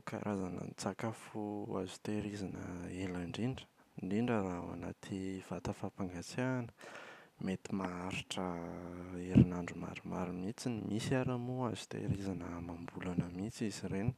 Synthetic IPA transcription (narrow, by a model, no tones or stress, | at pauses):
ka̰ɾʔazanə̰nt͡sakafua̰zu̥t̪eɾizanə̰elaɳɖ͡ʐiɳɖ͡ʐə̥ɳɖ͡ʐiɳɖ͡ʐəɾaua̰na̰t̪ʰiv̥at̪əfapaŋɡat͡sanə̥met̪imaaɾiʈ͡ʂə | eɾinaɳɖ͡ʐuma̰ɾumaɾumit͡sinimʔisaɾamoazu̥t̪ḛɾizanəmambulanəmit͡siziɾeni̥